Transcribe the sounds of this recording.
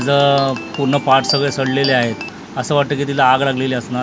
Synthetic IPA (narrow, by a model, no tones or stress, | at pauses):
d͡zəpuɾɳəpaʈʰsəɡɭesəɽleleaɦet̪ | əsəːʋaʈ̚t̪əːk̬it̪ilaːɡlaɡleleəsna